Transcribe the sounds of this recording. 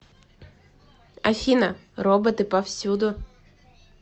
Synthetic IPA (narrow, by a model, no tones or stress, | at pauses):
ɐ̰fʲinɐrɔbɪt̪ɪpɐwsʲud̪ʊ